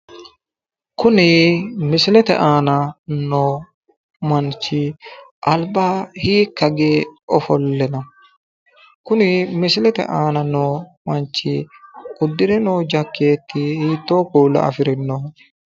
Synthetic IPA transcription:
kʊnɪmɪsɪlɛt̪ɛ̰ʔaːnɐnoː | mɐnt͡ʃːɪʔɐlbaːhiːkːɐɡeːɔfɔlːɛnɐ | kʊnɪmɪsɪlɛt̪ɛ̰ʔaːnɐnoːmɐnt͡ʃːɪ̰kʊd̪ːɪɾɛnoːd͡ʒɐkːeːt̪ʰːɪhiːt̪ːoːkuːlːɐ̰ɐ̰fɪɾɛnːo

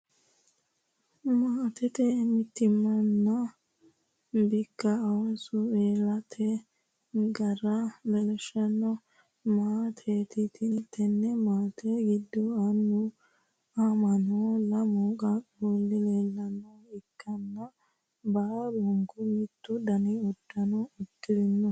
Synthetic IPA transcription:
maːt̪ɛt̪ɛmɪt̪ːɪmːɐnːɐ | bɪkːɐɔnsʊeːlɐt̪ʰɛ | ɡɐɾɐbɛlɛʃɐnːɔ | maːt̪ʰeːt̪ɪt̪ʰɪt̪ʰːɛnːɛmaːt̪ʰɛɡɪd̪ːɔɐnːʊ | amɐnolɐmɔɡaboːlːɪleːlːɐnːɔɪkːɐnːɐ | baːbɔŋɡʊmɪt̪ːʊd̪ɐnɪɔd̪ːɐnɔɔkːɪɾɪnːɔ

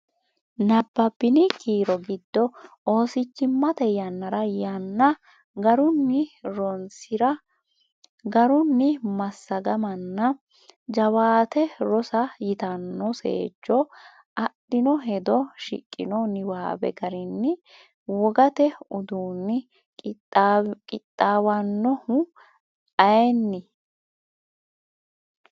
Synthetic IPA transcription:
nɐbːɐbːɪnɪkʰʼiːɾɔɡɪd̪ːɔ | o̞ːsɪt͡ʃːɪmːɐt̪ɛjɐnːɐɾɐjɐnːɐ | ɡɐɾʊnːɪɾɔnsɪɾɐ | ɡɐɾʊnːɪmɐsːɐɡɐmɐnːɐ | d͡ʒɐwaːt̪ɛɾɔsɐjɪt̪ɐnːɔsḛːd͡ʒːɔ | ʔɐɗɪnɔɦɛd̪ɔʃɪ̰kʼːɪ̰nɔnɪwaːbɛ̰ɡɐɾɪnːɪ | wɔɡɐt̪ɛʊd̪uːnːɪ | kʼɪt̪ʼːaːwɐnːɔhʊ | ʔɐjɛnːɪ

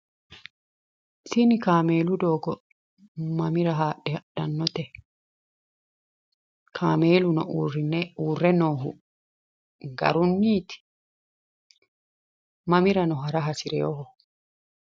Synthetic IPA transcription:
sɪnɪkaːmeːlʊd̪oːɡɔ | mɐmɪɾɐɦaːᶑɛɐɗɐnːɔt̪ɛ | kʰaːmeːlʊnɔʔuːrːɪnɛuːrːɛnoːɦʊ̰ | ɡɐ̰ɾʊnːiːt̪ɪ̥ | mɐmɪɾɐnɔɦɐɾɐɦɐsɪɾɛ̰jɔɦɔ

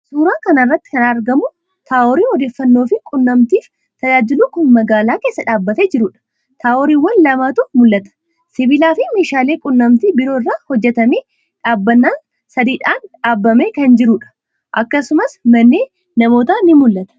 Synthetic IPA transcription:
suːɾaːkɐnɐɪrːɐt̪ːɪ̥kɐnɐɾɡɐmʊ | t̪ʰaːʔɔɾiːɔd̪e̞ːfːɐnːo̞ːfɪkʼʊnːɐmt̪iːf | t̪ɐd͡ʒaːd͡ʒɪluːkʊnmɐɡaːlaːke̞ːsːɐᶑaːbːɐt̪ed͡ʒɪɾʊᶑɐ̥ | t̪aːɔɾiːwːɐnlɐmaːt̪ʊmʊlːɐt̪ɐ̥ | sɪbɪlaːfɪme̞ːʃaːle̞ːkʼʊnːɐmt̪iːbɪɾoːrːaːhɔd͡ʒːɛt̪ɐmeː | ᶑaːbːɐnːaːn | sɐd̪iːᶑaːnᶑaːbːɐmeːkɐnd͡ʒɪɾʊᶑɐ̥ | ʔɐkːɐsʊmɐsmɐnːeː | nɐmo̞ːt̪anɪmʊlːɐt̪ɐ̥

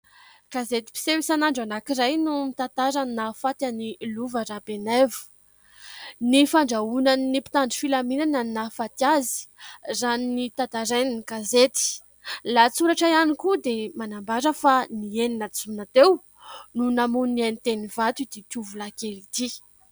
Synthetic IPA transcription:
kazet̪i̥pi̥sewisanaɳɖ͡ʐanakiɾajnumit̪ant̪aɾaninafat̪aniluvaɾabenevu̥ | nifaɳɖ͡ʐaunaninipi̥t̪aɳɖ͡ʐifilaminanannafat̪jazi̥zaninit̪at̪aɾaninikazet̪i̥ | lat͡suɾaʈ͡ʂajanikud̪emanambaɾəfanieninat͡sumnat̪ew | nunamunnianit̪enivat̪ud̪it̪uvulakelit̪i

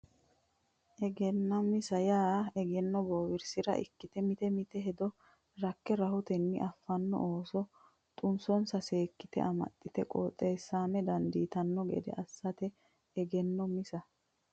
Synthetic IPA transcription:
ʔɛɡɛnːɐmɪsɐjaːɛɡɛnːɔboːwɪɾsɪɾɐ̰ʔɪ̰kːɪt̪ɛmɪt̪ɛmɪt̪ɛɦɛd̪ɔ | ɾɐkːɛɾɐhʊt̪ɛnːɪʔɐfːɐnːɔ̰ʔoːsɔ | t̪ʼʊnsɔnsɐseːkːɪt̪ɛ̰ʔɐmɐ̰t̪ʼːɪt̪ɛkʼo̰ːt̪ʼːeːsːaːmɛd̪ɐnd̪iːt̪ɐnːɔɡɛ̰d̪ɛ̰ʔɐsːɐt̪ɛː | ɡɛnːɔmɪsɐ

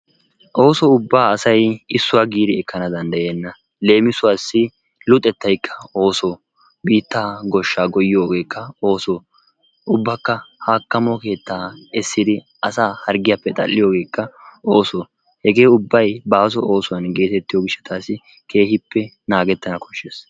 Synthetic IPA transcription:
ʔo̞ːsɔʊbːaːɐsɐjɪsːʊwaːɡiːd̪ɪɛkʰːɐnɐd̪ɐnd̪ɐjeːnːɐ | le̞ːmɪsʊwaːsːɪ | lʊt̪ʼːɛt̪ːɐjkʰːɐ̥o̞ːsoː | biːt̪ːaːɡɔʃːaːɡɔjɪjoːɡe̞ːkːɐo̞ːsoː | ʔʊbːɐkːɐhaːkːɐmɔke̞ːt̪ːaːɪsːɪd̪ɪ | ɐsaːhɐɾɡɪjapːɛt̪ʼɐ̰lːɪjoːɡe̞ːkːɐoːsɔː | hɛɡe̞ːʊbːɐjbaːs̬ɔʔo̞ːsʊwɐnɡe̞ːt̪ɛt̪ːɪjoːɡɪʃːɐ̥t̪ʰaːsɪ | kʰe̞ːhɪpːɛ | naːɡɛt̪ːɐnɐkʰɔ̥ʃːes

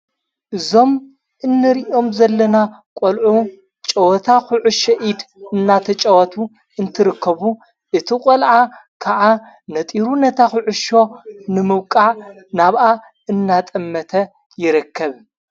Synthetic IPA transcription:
ʔɨzo̞m | ʔɨnːɨɾiʔo̞mzɐlːɐna | kʷʼolʕu | t͡ʃʼɐwɐt̪ʰaxʊʕʊʃɐʔid̪ɨnːat̪ʰɐt͡ʃʼɐwɐt̪ʰu | ɨnt̪ʰɨɾɨkʰːɐβu | ʔɨt̪ʰikʼolʕakʰaʕa | nɐt̪ʼiɾunɐt̪ʰaxʊʕʊʃo̞nɨmɨβkʼaʕ | naβʔa | ɨnːat̪ʼɐmːɐt̪ʰɐ | jɪɾɨkʰːɐβ

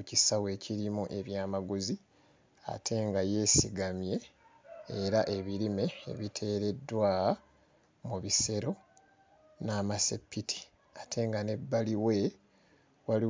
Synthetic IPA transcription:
ucisawe̞ːciɾimuʔe̞βjaːmaɡuzi | a̰tʰe̞ŋɡaje̞ːsiɡamje̞ː | ɾaʔe̞βiɾime̞̰ːβitʰe̞ːɾe̞dːwaː | muβise̞ɾo̞ | naːmasḛpːitʰi̥ | atʰe̞ŋɡane̞bːaliwe̞ | wali

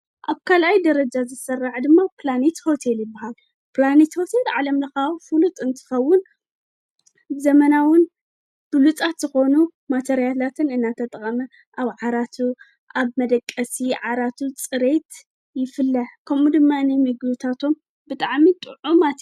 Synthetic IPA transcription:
ʔaβkʰalʔajd̪ɐɾɐd͡ʒazɨsɐraʕd̪ɨmːaplanet̪ho̞t̪ʰe̞ljɪbːahal | pɨlane̞t̪ho̞t̪ʰe̞lʕalɐmlɐxawfɨlut̪ʼɨnt̪ʰɨ̥xɐwːʊn | zɐmɐnawʊn | b̥ɨlut͡sʼat̪z̥ɨxo̞numat̪ʰɐɾijalat̪ʰɨnɨnːat̪ʰɐt̪ʼɐχʼɐmɐ | ʔaβʕaɾat̪ʰu | ʔaβmɐd̪ɐkʼːɐsiʕaɾat̪ʰut͡sʼɨɾe̞t̪ | jɪfɨlːɐħkʰɐmud̪ɨmːaɨnɐjmɨɡlut̪ʰat̪ʰo̞m | bɨt̪ʼaʕmit̪ʼɨ̰ʕumat̪ʰ

